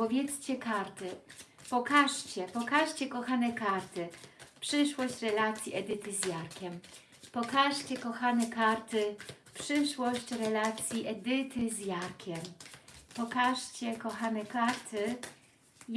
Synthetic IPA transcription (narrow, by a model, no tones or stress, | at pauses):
pɔvʲjɛt̪st͡ɕɛkaɾt̪ɘ | pɔkaʂt͡ɕɛpɔkaʂt͡ɕɛkɔxanɛkaɾt̪ɘpʂɘʂwɔɕt͡ɕɾɛlat̪sʲjiʔɛd̪ɘt̪ɘzjaɾkʲɛm | pɔkaʂt͡ɕɛkɔxanɛkaɾt̪ɘ | pʂɘʂwɔɕt͡ɕɾɛlat̪sʲjiʔɛd̪ɘt̪ɘzjaɾkʲʰɛmpɔkaʂt͡ɕɛkɔxanɛkaɾt̪ɘ | j